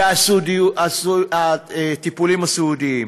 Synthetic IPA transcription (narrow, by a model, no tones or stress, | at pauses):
asdiasaet̪ipulimasud̪ii